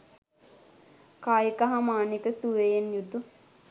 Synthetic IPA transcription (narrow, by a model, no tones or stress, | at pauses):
kaːjikaɦamaːnikəsuʋejenjud̪u